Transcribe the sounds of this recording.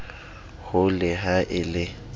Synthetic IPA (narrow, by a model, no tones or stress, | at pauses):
hʊlɪɦaʔɪlɪ